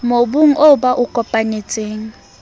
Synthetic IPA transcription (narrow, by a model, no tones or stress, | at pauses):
mobuŋ̩ʔobaʔʊkʼɔpʼaɲet͡sʼeːŋ̩